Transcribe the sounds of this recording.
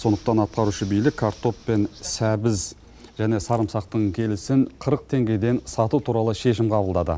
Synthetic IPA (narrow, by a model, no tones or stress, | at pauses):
so̞nd̪əq̚t̪ɑnɑt̪̚qɑɾuʃəbijlɪkʲʰːaɾt̪o̞ppe̞nsæbɪz | ʒ̥æne̞sɑɾəmsɑq̚t̪əɴkʲʰe̞lɪsɪɴqʰəɾəq̚t̪ʰe̞ŋɡʲe̞d̪e̞nsɑt̪ut̪ʰuɾɑlˠəʃe̞ʃ̬ɪmqʰɑbəlˠd̪ɑd̪ə̰